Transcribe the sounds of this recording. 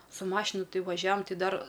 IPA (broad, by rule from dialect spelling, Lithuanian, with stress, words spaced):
sʊ ˈmɑːʃʲɪnʊ ˈtɐɪ ʋɐˈʒʲæːʋɐm ˈtʲɪ ˈdɐr